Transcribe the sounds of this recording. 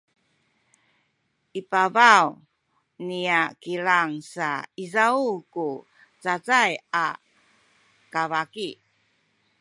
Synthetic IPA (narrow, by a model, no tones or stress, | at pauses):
ʔipavaw | niakiɾaŋsaizauku | t͡sat͡saja | kavaki